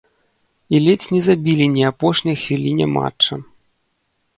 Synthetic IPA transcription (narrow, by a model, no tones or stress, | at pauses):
ilʲɛt͡sʲnʲɛzabʲilʲinʲiapɔʂnʲɐjxvʲilʲinʲɛ̰ma̰t͡ʂɐ